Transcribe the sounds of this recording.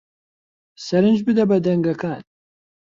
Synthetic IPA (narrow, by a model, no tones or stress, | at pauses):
sɐɾɨnd͡ʒbɨd̪ɐbɐd̪ɐŋɡɐkaːn